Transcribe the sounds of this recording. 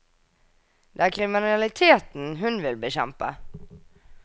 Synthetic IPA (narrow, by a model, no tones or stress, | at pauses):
d̪ɛæːɾkʰɾɪmɪnalɪt̪ʰeːt̪n̩ɦɵnʋɪlbɛɕɛ̰mpa̰